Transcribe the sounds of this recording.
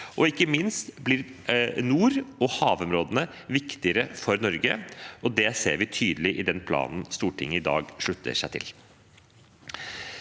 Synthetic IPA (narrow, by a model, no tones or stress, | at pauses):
ʔɔɪkːəmɪnst̪blɪɾnuːɾɔhɑːʋɔmɾoːd̪ənə | ʋɪkt̪ɪəɾəfɔɾnɔɾɡəɔd̪ɛseːɾʋɪt̪ʰyːd̪əlɪʔɪd̪ɛnpʰlɑ̰ːnnst̪uːʈʰɪŋːəɪd̪ɑ̰ːɡʂɭʉt̪ʰːə̰ʂæɪt̪ʰɪ̰l